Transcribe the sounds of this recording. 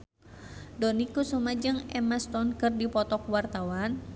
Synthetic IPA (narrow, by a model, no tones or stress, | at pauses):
dɔnikusumad͡ʒəŋɛmast̪ɔnkɨrdipɔt̪ɔkwart̪awan